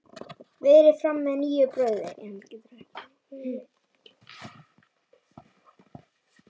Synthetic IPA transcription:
vɪðɛɾɪfɾamːɛðniːjʏpɾœːɥðɪ̰ɾ

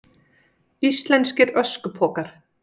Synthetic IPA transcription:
ist̪lɛnscɪɾœskʏpʰɔːkaɾ̥

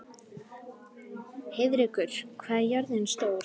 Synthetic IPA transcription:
hɪðɾikʏɾ̥kʰvaːðjaɾðɪnst̪oːwɾ

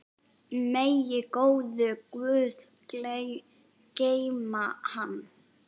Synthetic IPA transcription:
mejɪkoːwðʏkvʏːð | kle | cejmahanː

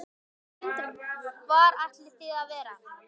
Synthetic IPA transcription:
nt̪vaɾajht̪lɪθɪðaðvɛːɾa

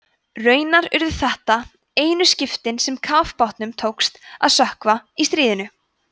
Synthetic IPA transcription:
rœːɥnaɾʏɾðʏ̥θɛht̪a | eːjnʏscɪft̪ɪnsɛmkʰaːfpɔwht̪nʏmt̪ʰoːwkst̪a̰ðsœhkvaist̪ɾiːðɪnʏ

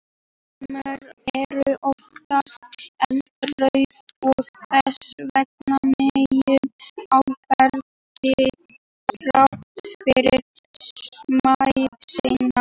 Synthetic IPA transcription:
mœɾɛɾʏʔɔft̪ast̪ɛn | rœɥðɔɣθɛsvɛk̚nanejʏawpɛɾ | tɪ | kɾaht̪fɪɾɪɾ | majɾsejna

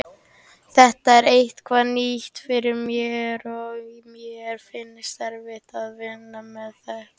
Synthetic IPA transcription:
θɛht̪aɛɾejht̪kʰvaðniht̪fɪɾɪɾmjɛɾɔmjɛɛɾ̥fɪnːɪst̪ɛɾvɪht̪aðvɪnːamɛðθaɾ

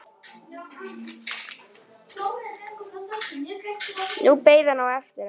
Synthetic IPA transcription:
nupeːjðanawɛft̪ɪɾa

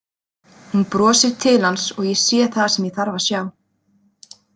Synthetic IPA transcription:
hunpɾɔːsɪɾt̪ʰɪlansɔɣjɛsjɛ̥θaðasɛmjiθaɾvasjaːw

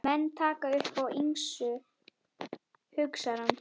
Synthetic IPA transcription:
mɛnːt̪ʰaːkaʏhpawiŋsʏ | hʏksaɾam

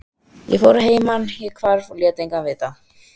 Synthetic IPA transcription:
jɛ̰fowɾaɦeːjmanhjɛkʰvaɾvɔljɛt̪ejŋkanvɪt̪a

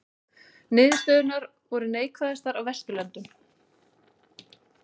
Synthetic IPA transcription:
nɪːðɪst̪œːðʏɾnaɾ | vɔɾʏneːjkʰvaðast̪aɾawvɛst̪ʏlɛnt̪ʏm

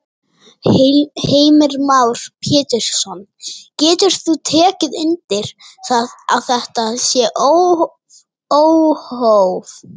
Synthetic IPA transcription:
heːjmɛɾmawɾ̥pʰjɛːt̪ɪɾ̥sɔncɛːt̪ʏɾ̥t̪θut̪ʰɛːcɪðʏnt̪ɪɾ̥θaða̰ðθɛht̪asjɛʔo | owhowv

